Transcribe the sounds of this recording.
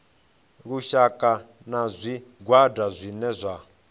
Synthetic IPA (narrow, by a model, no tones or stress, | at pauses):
ɣuʃakʼa | nazʷiɡwadazʷinɛzʷa